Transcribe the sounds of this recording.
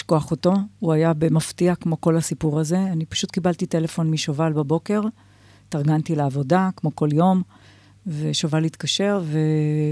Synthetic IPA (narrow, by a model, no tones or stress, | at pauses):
ʃkoaχoto̞uajabemaftiakmo̞ko̞lhasipuʁaze̞anipḁʃutkibaltite̞le̞fo̞nmiʃovalbabo̞ke̞ʁ | taʁɡantileavo̞dakmo̞ko̞ljo̞m | veʃovalit̪kaʃe̞ʁve